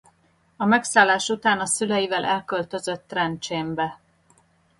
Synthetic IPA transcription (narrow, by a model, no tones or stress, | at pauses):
ɒmɛksaːlːaːʃut̪aːnɒsylɛjivɛlʔɛlkølt̪ø̞zø̞t̪ːrɛnt͡ʃeːmbɛ